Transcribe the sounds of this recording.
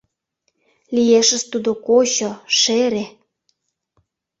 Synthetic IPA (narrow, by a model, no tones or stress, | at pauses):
lijeʃə̆st̪ud̪okoɕoʃeɾe